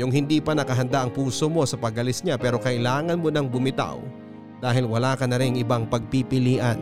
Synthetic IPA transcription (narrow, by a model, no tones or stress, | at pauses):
jʊŋhɪnd̪ipɐnɐkɐɦɐnd̪aʔɐŋpuːsomo̞sɐpɐɡɐlɪsɲapɛːɾo̞kɐʔɪlaːŋɐnmo̞nɐŋbʊmɪt̪a̰w | d̪̥aːɦɪlwɐlaːkɐnɐɾɪŋɪbaŋpɐɡ̚pipɪliːʔɐn